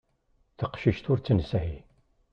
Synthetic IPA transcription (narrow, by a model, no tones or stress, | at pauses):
θəqʃiʃt̪ʊɾt͡sːənsæhi